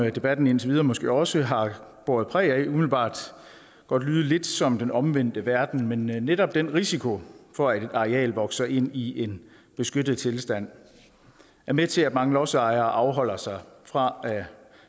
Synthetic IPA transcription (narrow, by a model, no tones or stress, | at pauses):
d̥e̝b̥æd̥n̩e̝nt͡sʰe̝ʋiːð̞ˠɐmɒ̽sɡ̥e̝̰ːɒ̽səɦɑ̈b̥oɐð̩ˠpʰʁɛ̰ːæumiðl̩b̥ɑ̰̈ːd̥ | ɡ̥ɒ̽d̥lyːð̞̩ˠle̝d̥sɒ̽md̥enɒ̽mʋen̰d̥əʋæɐd̥n̩menːeɾɒ̽b̥d̥en̰ʁisikʰo̝fɒ̽æd̥e̝d̥ɑ̈ʁɛɛ̰ːlʋɒ̽ɡ̥sɐʔe̝n̰iʔe̝n | b̥e̝sɡ̥ød̥ð̩ˠt͡sʰe̝lsd̥æn̰ | æɐmet͡sʰe̝æd̥mɑ̈ŋəlɒ̽sɑ̈ɪɐːʔɑ̈ʊɦɒ̽l̰ɐsɑ̈ɪfʁɑ̈æ